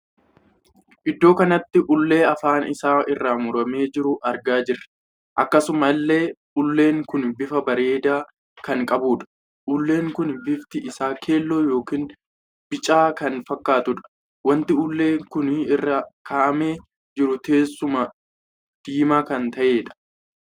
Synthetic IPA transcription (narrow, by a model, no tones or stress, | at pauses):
ʔɪd̪ːo̞ːkɐnɐt̪ːɪʔʊlːe̞ːɐfaːnɪsaːʔɪrːaːmʊɾɐmeːd͡ʒɪɾʊʔɐɾɡaːd͡ʒɪrːɐ̥ | ʔɐkːɐsʊmɐlːe̞ːʔʊlːe̞ːŋkʊnbɪfɐbɐɾe̞ːd̪aː | kɐŋkʼɐbuːᶑɐ̥ | ʔʊlːe̞ːŋkʊnbɪft̪ɪʔɪsaːkʰe̞ːlːo̞ːjo̞ːkiːn | bɪt͡ʃʼaːkɐnfɐkːaːt̪ʊᶑɐ̥ | wɐnt̪ɪʊlːe̞ːŋkʊnɪrːaːkʰaːʔɐme̞ː | d͡ʒɪɾʊt̪e̞ːsːʊmɐ | d̪̥iːmaːkɐnt̪ɐʔeːᶑɐ̥